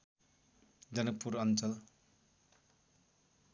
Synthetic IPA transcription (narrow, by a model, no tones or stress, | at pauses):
d͡zʌnʌk̚puɾʌnt͡sʌl